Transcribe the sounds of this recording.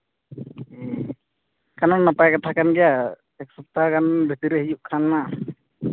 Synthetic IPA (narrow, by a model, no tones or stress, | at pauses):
kananːapajkat̪ʰakanɡɛja | ɛk̚sɔp̚t̪akanbʱit̪iɾɛhijuʔkʰanːa